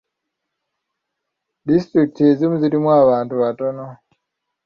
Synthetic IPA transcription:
distɾik̚tezimuziɾimwaβaːntuβatono

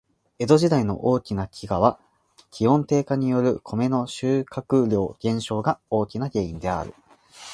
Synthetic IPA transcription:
e̞d̪o̞ʑid̪aino̞̰ʔoːkʲinakʲiɡaβ̞a | kʲʰihõ̞nt̪e̞ːkaɲ̟ijo̞ɾɯ̟kʰo̞me̞no̞ɕɨːkakɯ̟ɾʲjo̞ːɡ̥ẽ̞ɰ̃ɕo̞ːɡao̞ːkʲinaɡʲe̞ːĩnd̪e̞a̰ɾɯ̟̰

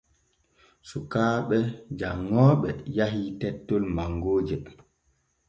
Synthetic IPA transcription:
sukaːɓɛd͡ʒaŋːɔːɓɛjaɦitɛtːɔlmaŋɡoːd͡ʒi

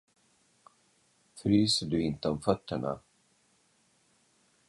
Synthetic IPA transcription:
fɾyːsəɖɵɪnt̪əɔmfœt̪ːəɳa̰

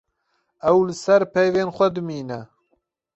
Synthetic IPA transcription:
ɛwlɨsɛɾpʰɛjveːnxʷɛd̪ɨmiːnɛ

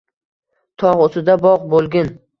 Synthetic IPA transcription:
t̪ʰɒʁosɪd̪abɒʁbolˠɡʲan

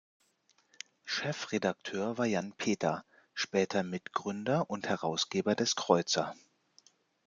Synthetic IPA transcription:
ʃɛfʁedak̚tʰøːɐvaːɐjanpʰeːtʰɐ | ʃpɛːtʰɐmɪtɡ̥ʁʏndɐʔʊnthɛʁaʊsɡ̥eːbɐdɛskʁ̥ɔʏt͡sɐ

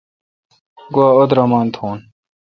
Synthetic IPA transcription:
ɡuaːod̪ɾɐmaːnt̪ʰoːn

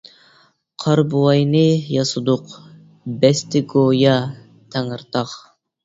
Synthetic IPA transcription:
qʰɑɾbuɑjnɨjɑsɨd̪ʊq | bɛst̪ɪɡojɑ | t̪ʰɛŋɨɾt̪ʰɑq

